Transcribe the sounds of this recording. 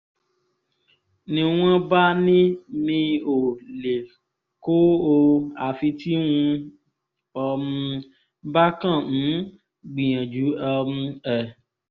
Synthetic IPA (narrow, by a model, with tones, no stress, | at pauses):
nĩ˧w̃ɔ̃˦ba˦nĩ˦mĩ˧o˨le˨ | ko˦o˧a˨fi˧ti˦wũ˧ | ɔ˧mũ˧ | ba˦kã˦˨ñ̩˨˦ | ɡ͡bĩ˨j̃ã˨d͡ʒu˨˦ɔ˧ũ˧ɛ˨